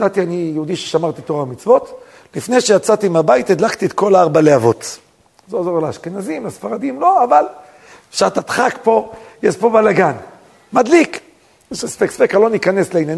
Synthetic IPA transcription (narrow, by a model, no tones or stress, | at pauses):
at̪ianijoud̪iʃeʃamaʁt̪it̪oʁamit͡svo̞t̪ | lifne̞jʃejat͡sat̪iimabait̪ed̪lakt̪iet̪ko̞laaʁbaleavo̞t̪ | zozo̞leaʃkenazimlasfaʁadimlo̞aval | efʃaʁt̪at̪χakpo̞jɛʃpo̞balaɡan | mad̪lik | ʃesfeksfekalo̞nikane̞sleinjan